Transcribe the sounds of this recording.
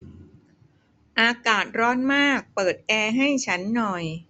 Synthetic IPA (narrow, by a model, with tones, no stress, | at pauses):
ʔaː˧kaː˨˩t̪̚ɾɔː˦˥nmaː˥˩k̚pɤː˨˩t̪̚ʔɛː˧ɦa˥˩jt͡ɕʰa˦˥nːɔ˨˩j